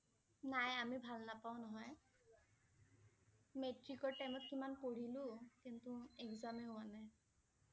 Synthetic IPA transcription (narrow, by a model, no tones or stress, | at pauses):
najamibʱalnapaʊ̃nɔɦɔj | metɹikɔɹʈajmɔt̚kimanpoɹilʊ̃tɛntʊɛkzamɛʊanɛ